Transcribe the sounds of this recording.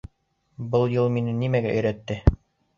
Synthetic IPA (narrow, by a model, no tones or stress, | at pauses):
bɤlˠjɤlˠminɘnimæɡæʔɵ̆jɾæt̪ːɘ